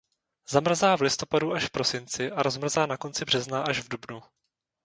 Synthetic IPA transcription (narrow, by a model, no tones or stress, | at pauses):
zamr̩zaːvlɪst̪o̞paduʔaʃfpɾo̞sɪnt͡sɪʔaɾo̞zmr̩zaːnako̞nt͡sɪbr̝ɛznaʔaʒvdubnu